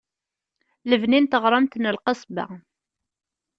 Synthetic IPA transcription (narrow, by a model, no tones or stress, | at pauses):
ləvnint̪əʁɾˤɑmt̪nəlqɑsˤbæ̰